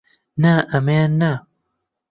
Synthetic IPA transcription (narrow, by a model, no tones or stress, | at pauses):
naʔameana